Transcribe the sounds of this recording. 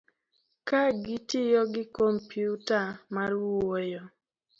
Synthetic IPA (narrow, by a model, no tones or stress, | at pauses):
kaɡɪtɪjɔɡɪkɔmpjutamarwojɔ